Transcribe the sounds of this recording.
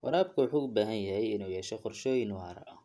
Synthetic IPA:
wɑ̰ɾaːbkʰʊwɑħuːʊbaːɦɐnjɐɦɛjɪnuːjɛːʃɛqʊrʃɔːjɪnwɑːɾɐ̰ʔɐ

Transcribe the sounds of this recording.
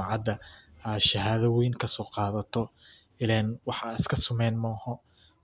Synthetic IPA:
ɑʕɑd̪ɐɐʃɐɦaːðɐwɛjnkʰɐsɔːqɑːðɐt̪ʰɔ | ɪlɛːnwɑħɑɪskʰɐsʊmɛːnmɔːhɔ

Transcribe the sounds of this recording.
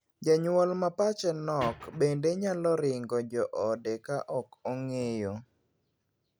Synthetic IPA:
d͡ʒaɲwɔlmapat͡ʃɛnɔkbendeɲalɔɾɪŋɡɔd͡ʒɔʔɔdekaʔɔkɔŋejo

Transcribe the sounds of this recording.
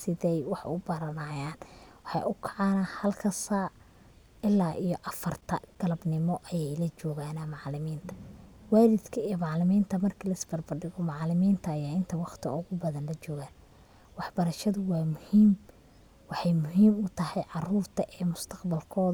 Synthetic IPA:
sɪðɛjwɑħʔʊbɐɾɐnɐjaːnwɑħɑ̰jʊkʰɑʕɑːnahɐlkʰɐsaː | ɪlːaːʔijɔʔɐfɐrt̪ʰɐɡ̥ɐlɐbnɪmɔʔɐjɛjlɐt͡ʃɔːɣaːnamɑʕlɪmiːnt̪ʰɐ̥waːɾɪd̪kʰɐijmɑʕlɪmiːnt̪ʰɐmɐrkʰɐlɐɪsbɐrbɐɖɪɣɔmɑʕlɪmiːnt̪ʰɐːjaːɪnt̪ʰɐwɑχt̪ʰɪ̰ʊɣʊbɐðɐnlɐt͡ʃɔːɣaːn | wɑħbɐɾɐʃɐðʊwɑːmʊhiːm | wɑħɑjmʊɦiːmʊt̪ʰɐhɛjʕɑruːrt̪ʰɐʔɛːmʊst̪ʰɐqbɐlkʰɔːð

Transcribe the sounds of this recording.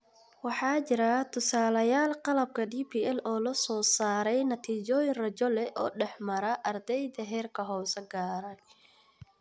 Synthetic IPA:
wɑħɑːt͡ʃɪɾɐt̪ʰʊsaːlɐjaːlqɑlɐb̚kʰɐɖiːpʰiːʔɛlɔːlɐsɔːsaːɾɛjnɐt̪ʰiːt͡ʃɔːjɪnrɐt͡ʃɔlɛʔɔ̰ːɖɛħmɐɾɐʔɐrd̪ɛjðɐɦɛːrkʰɐɦɔːsɛɡaːɾɐ

